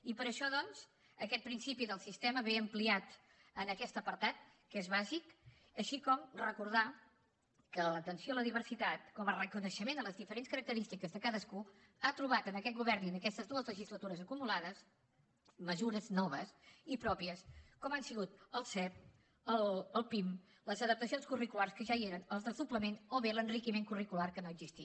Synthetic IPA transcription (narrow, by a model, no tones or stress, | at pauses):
ipəɾəʃɔðɔnz | əkɛt̪̚pɾinsipiðəlˠsist̪ɛməβeəmpliat̪ | ənəkɛst̪əpəɾt̪at̪̚ | kezβazik | əʃikɔmrəkuɾð̞a | kələt̪ənsjoləðiβ̞əɾsit̪at̪kɔmərəkunəʃəmend̪ələzðifəɾenskəɾək̚t̪əɾist̪ikəzðəkaðəsku | at̪ɾuβ̞at̪ənəkɛt̪̚ɡuβɛɾninəkɛst̪əzðuəzləʒizlət̪uɾəzəkumulaðəs | məzuɾəznɔβəsipɾɔpiəskɔmansiɣut̪əlˠsɛp̚ | ələlˠpim | ləzəðəp̚t̪əsionskurikularskəʒaieɾənəlˠzðəlˠsupləmenoβelənrikimeŋkurikularkənoəɡzist̪i